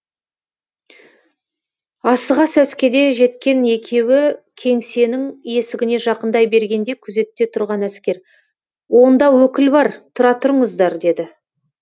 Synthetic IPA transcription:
ɑsəʁɑsæskʲed̪e̞ʒe̞t̪kʲe̞ne̞kʲʰe̞wɪkʲʰe̞ŋse̞nɪŋje̞sɪɡʲɪne̞ʒɑqənd̪ɑjbe̞ɾɡʲe̞nd̪e̞kʲʰʏze̞t̪ːe̞t̪ʰʊɾʁɑnæskʲe̞ɾ | wo̞nd̪ɑwɵkʲɪlbɑɾt̪ʰʊɾɑt̪ʰʊɾəɴəzd̪ɑɾd̪e̞d̪ɪ

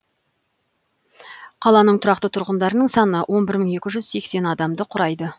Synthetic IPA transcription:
qʰɑlˠɑnəɴt̪ʰʊɾɑq̚t̪ət̪ʰʊɾʁənd̪ɑɾənəɴsɑnəwʔo̞nbɪɾməɴe̞kʲɪʒʏzse̞kse̞nɑd̪ɑmd̪əqʰʊɾɑjd̪ə

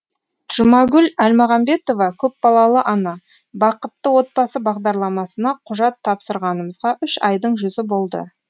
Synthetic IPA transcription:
ʒ̥ʊmɑɡʲʏlælmɑʁɑmbe̞t̪o̞vɑkʲʰɵp̚bɑlˠɑlˠəʔɑnɑ | bɑqət̪ːəwo̞t̪̚bɑsəbɑʁd̪ɑɾlˠɑmɑsənɑqʰʊʒɑt̪ʰːɑpsəɾʁɑnəməzʁɑʔʏʃɑjd̪əɴʒʏzɪbo̞lˠd̪ə̰

